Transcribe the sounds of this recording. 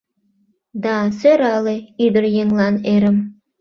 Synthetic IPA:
d̪ɑsøɾɑleid̪ə̆rjeŋlˠɑneɾə̆m

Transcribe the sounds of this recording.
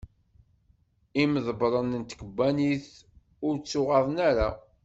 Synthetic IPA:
iməðˤəbɾˤənənt̪ə̥kəbːæniθ | ʊɾt͡sːʊʁɑðˤnæɾa

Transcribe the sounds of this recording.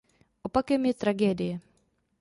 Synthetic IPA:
ʔopakɛmjɛt̪ɾaɡɛːdɪjɛ

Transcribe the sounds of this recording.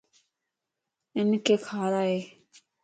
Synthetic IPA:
ɪnkekʰaɾae

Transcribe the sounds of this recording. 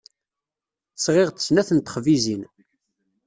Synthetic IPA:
θəsʁɪʁt̪ə̥snæθənt̪ə̥χvizin

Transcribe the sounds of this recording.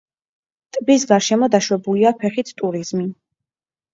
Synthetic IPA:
t̪ʼbisɡaɾʃɛmɔd̪aʃwɛbuliapʰɛχit̪ʰt̪ʼuɾizmi

